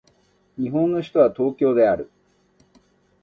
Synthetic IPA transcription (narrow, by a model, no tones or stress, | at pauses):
ɲ̟iɦõ̞nːoɕi̥t̪o̞βat̪o̞ːkʲo̞ːd̪e̞aɾɯ̟